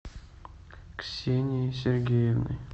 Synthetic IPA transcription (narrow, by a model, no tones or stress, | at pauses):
ksʲenʲisʲerɡʲejəvnɨ̰j